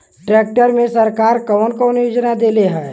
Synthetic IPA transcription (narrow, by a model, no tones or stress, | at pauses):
ʈɾeːk̚ʈəɾmẽsəɾkaːɾkəʋənkoʊnjud͡ʒnad̪eːleɦɛː